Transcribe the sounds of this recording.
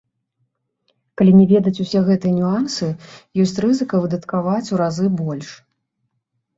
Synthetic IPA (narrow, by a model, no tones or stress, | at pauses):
kalʲinʲɛvʲɛd̪ɐt͡sʲusʲɛɣɛt̪ɨjɐnʲuansɨjɔsʲt͡sʲrɨzɨkɐvɨd̪ɐt̪kavat͡sʲuɾazɨbɔlʲʂ